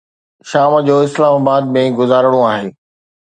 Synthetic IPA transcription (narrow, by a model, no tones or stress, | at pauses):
ʃaːmd͡ʑoːɪslaːmaːbaːd̪̚mẽɡʊzaːɾəɽ̃oaːɦeː